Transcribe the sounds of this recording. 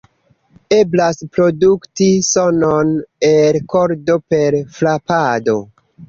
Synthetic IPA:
e̞blaspɾo̞duktisononeɾko̞ɾdo̞pe̞ɾflapado̞

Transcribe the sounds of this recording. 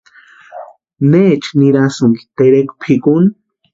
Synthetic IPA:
net͡ʃniɾasuŋɡi̥t̪eɾekpʰikun

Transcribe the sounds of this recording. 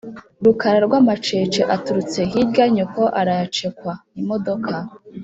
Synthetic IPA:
ɾukaɾaɾɡwamat͡ʃe̞ːt͡ʃeʔatuɾut͡se̞ɦidɡaɲoko̞ʔaɾajat͡ʃe̞kwaimo̞do̞kʰa

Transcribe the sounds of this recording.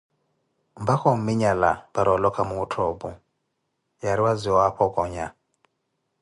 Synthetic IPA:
mbakɔm̩miɲalabaɾɔlɔkamuːtʰɔbu | jaɾiwaziɔapʰɔkɔɲa

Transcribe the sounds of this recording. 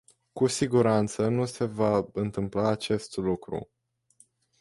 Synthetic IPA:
kusiɡuɾant̪sənuse̞vaɨnt̪ɨmplaːt͡ʃe̞st̪lukɾṵ

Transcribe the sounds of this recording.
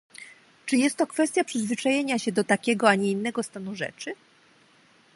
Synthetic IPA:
t͡ʂɘjɛst̪ːɔkfɛst̪ʲjapʂɘzvɘt͡ʂajeɲaɕɛd̪ɔt̪akʲɛɡɔaɲɛinːɛɡɔst̪anuʐɛ̰t͡ʂɘ

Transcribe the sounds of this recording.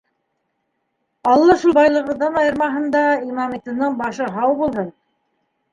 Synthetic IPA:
ɑlˠːɑʃulˠbɑjlˠɤ̆ʁɤ̆ðɑnɑjɤ̆ɾmɑɦɤ̆nd̪ɑimɑmit̪ɤ̆nɤɴbɑʃɤɦɑwbulˠhɤn

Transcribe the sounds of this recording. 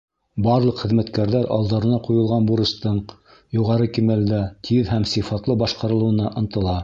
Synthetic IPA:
bɑɾlˠɤqχɘ̆ðmæt̪kæɾðæɾʔɑ̰lˠd̪ɑɾɤ̆nɑqujɤ̆lˠʁɑnbuɾɤ̆ʃt̪ɤɴ | juʁɑɾɤkimæld̪æt̪ʰiðɦæmsifɑt̪lˠɤbɑʃqɑɾɤ̆lˠɤ̆wɤ̆nɑʔɤ̆nt̪ɤ̆lˠɑ

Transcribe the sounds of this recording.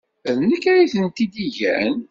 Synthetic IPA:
ðnəkːæɾiθənt̪id̪iʝæ̰n

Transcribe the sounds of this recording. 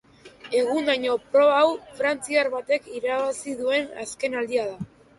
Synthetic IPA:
e̞ɣ̞und̪aɲo̞pɾo̞βawfɾant͡siaɾβat̪e̞kiɾaβasiðue̞na̰ske̞nald̪iað̞a

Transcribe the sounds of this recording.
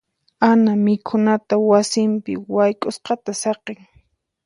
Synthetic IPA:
anamɪkʰʊnat̪awasɪmpɪ̰wajkʼʊsqɑt̪asɑqeŋ

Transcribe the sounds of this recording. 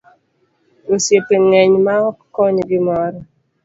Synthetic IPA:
osjepeŋɛɲmaɔkɔɲɡimɔɾɔ

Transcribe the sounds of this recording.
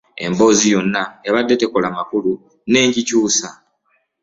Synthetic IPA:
e̞̰mbo̞ːzijo̞nːaeβadːe̞te̞kolamakulu | ne̞ːɲɟicuːsa

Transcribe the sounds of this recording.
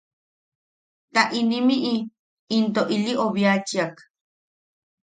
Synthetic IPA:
t̪aʔinĩmiʔiː | nt̪oʔiliʔoβjat͡ʃiak

